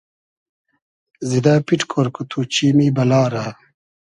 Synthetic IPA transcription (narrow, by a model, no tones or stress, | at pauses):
zid̪aːpiʈkʰoɾkut̪ʰut͡ɕiːmiːbɐlaːɾaː